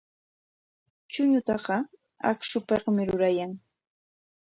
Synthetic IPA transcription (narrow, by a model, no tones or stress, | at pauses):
t͡ʃʊɲʊt̪ɑɢɑ | a̰kʃʊpeqmɪɾʊɾajaŋ